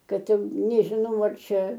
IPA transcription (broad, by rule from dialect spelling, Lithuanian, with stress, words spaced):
ˈkɐt ˈjɛʊ nʲɛʒʲɪˈnɐʊ ɐr ˈt͡ʃʲɛ